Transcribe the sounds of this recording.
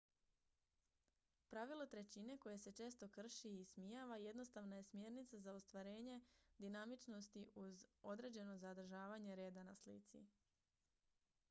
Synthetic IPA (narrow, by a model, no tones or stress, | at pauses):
pɾaʋilˠot̪ɾe̞t͡ɕine̞ko̞je̞se̞t͡ʃe̞ːst̪o̞kr̩ʃiismijaːʋaje̞d̪no̞st̪aʋnaje̞smje̞ːɾnit̪sazaost̪ʋaɾe̞ːɲe̞d̪inamit͡ʃno̞st̪iʔuzo̞d̪ɾe̞ːd͡ʑe̞no̞zad̪r̩ʒaːʋaɲe̞ɾe̞ːd̪anaslḭt̪sḭ